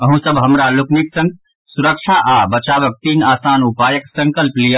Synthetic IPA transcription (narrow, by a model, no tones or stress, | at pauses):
əɦũsəbʱɦɐmɾalʊkniksə̃ŋ | suɾək̚ʃʰaʔabɐt͡ʃaːʋək̚t̪iːnaːsaːnupaːjəksɐ̃ŋkəlplija